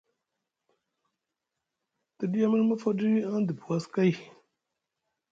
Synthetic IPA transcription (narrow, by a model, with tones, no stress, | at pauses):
tə˨di˦ja˦mə˦ɾmə˦fo˦di˦ɾi˦a˦n˦d̪ə˨bu˨wa˦ska˦j